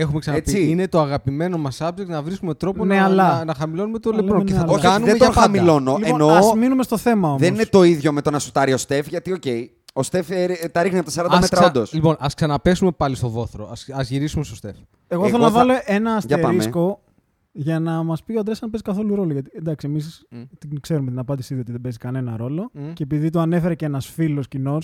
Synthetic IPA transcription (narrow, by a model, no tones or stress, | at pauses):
e̞xumeksɐnɐpiiine̞t̪o̞ɐɣɐpime̞no̞mɐsɐbd͡ʒekt̪nɐvɾiskume̞t̪ɾo̞poneɐlɐnɐxɐmilo̞nume̞t̪olepɾoneθɐt̪kɐnueeʝt̪ɐɐmilonolieonozminume̞st̪o̞θe̞mɐo̞mðenoinet̪o̞iðʝo̞met̪o̞nɐsu̥t̪ɐɾiost̪e̞fʝɐt̪io̞ce̞j | ost̪eft̪ɐɾixniɐpot̪ɐs̬ɐɾɐnd̪ɐmet̪ɾɐond̪oslipo̞nʔɐsksɐnɐpe̞sume̞pɐlist̪o̞vo̞θɾoɐsɐzʝiɾisumest̪ost̪e̞f | eɣo̞θelonɐvɐlo̞ʔe̞nɐːsʝɐeɐɾisko̞ | ʝɐnɐmɐspioɐnd̪ɾesɐnpe̞sikɐθo̞luɾo̞loʝɐt̪iend̪ɐksiemis̬t̪inɡse̞ɾumet̪inɐpɐnd̪isiðio̞t̪iðebe̞zikɐne̞nɐ̰ɾo̞lo̞ceepiðit̪oɐne̞fe̞ɾeceenɐsfilo̞scino̞s